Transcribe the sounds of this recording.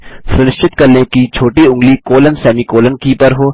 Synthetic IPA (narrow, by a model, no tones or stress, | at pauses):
sʊnɪʃt͡ʃɪt̪kɐɾnekit͡ʃʰoːʈiʊ̃ŋɡlikoːlənsɛːmikoːlənkipɐɾɦoː